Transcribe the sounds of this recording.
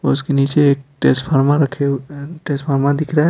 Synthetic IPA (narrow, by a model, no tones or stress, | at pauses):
oskinit͡ʃeːk̚ʈesʈpʰaɾmãɾəkʰeʈesʈpʰaɾmãd̪ɪkʰɾa